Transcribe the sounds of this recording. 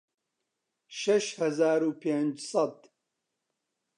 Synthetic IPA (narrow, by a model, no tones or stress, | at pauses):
ʃɐʃhɐzaːɾuːpʰend͡ʒsˤɑd̪